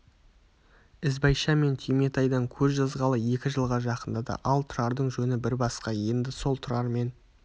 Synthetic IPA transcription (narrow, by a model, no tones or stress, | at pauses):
ɪzbɑjʃɑme̞nt̪ʲʰime̞t̪ɑjd̪ɑŋkʲʰɵzʒɑzʁɑlˠəje̞kʲɪʒəlˠʁɑʒɑqənd̪ɑd̪ɑ̰ʔɑlˠt̪ʰʊɾɑɾd̪əɴʒɵnɪbɪɾbɑsqɑje̞nd̪ɪso̞lˠt̪ʰʊɾɑɾme̞n